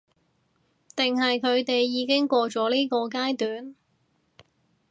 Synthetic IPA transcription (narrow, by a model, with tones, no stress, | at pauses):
t̪ɪ˨ŋɦɐ˨jkʰɵ˨˧ɥt̪e˨jːiː˨˧kɪ˥ŋkʷɔː˧t͡ʃɔː˨˥liː˥kɔː˧k̬aː˥jt̪yː˨˥n